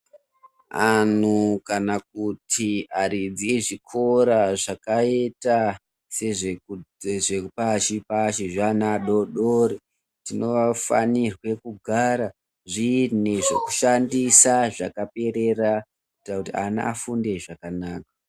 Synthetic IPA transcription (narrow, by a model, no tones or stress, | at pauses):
an̤ukanak̚utʰiaɾid͡ziʐikʰo̞ɾaʐakaeta | seʐe | ʐepaʃipaʃiʐanaɗo̞ɗoɾe | tino̞ʋafa̰nirwe̞kuɡʱaɾa | ʐineʐo̰ku̥ʃandisaʐakape̞ɾe̞ra | kuuitakutia̰na̰ʔafunde̞ʐakanaːkḁ